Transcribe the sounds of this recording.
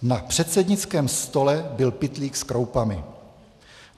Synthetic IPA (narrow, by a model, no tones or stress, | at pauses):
napr̥ɛt̪sɛdɲɪt͡skɛːmst̪o̞lɛbɪlpɪt̪liːkskɾowpamɪ̰